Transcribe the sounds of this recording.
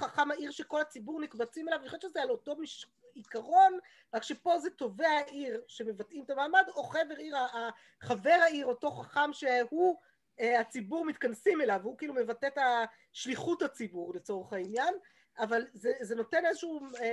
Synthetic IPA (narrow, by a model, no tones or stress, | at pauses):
χaχamaʔiʁʃeko̞lat͡sibuʁnikbat͡simelavniχoeʃezealo̞to̞miʃ | ikaʁo̞n | ʁakʃepo̞zeto̞veaʔiʁʃe̞me̞vatimt̪amaːmad̪o̞χeveʁiʁa | χave̞ʁaiʁo̞to̞χaχamʃehu | eat͡sibuʁmit̪kansime̞lavhukiiːlume̞vatet̪a | ʃliχuthat͡sibuʁlet͡so̞ʁeχainjan | avalzezeno̞te̞nezeʃuu